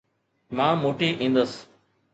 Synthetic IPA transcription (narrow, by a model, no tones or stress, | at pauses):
mãːmoːʈiːʔĩːn̆d̪əs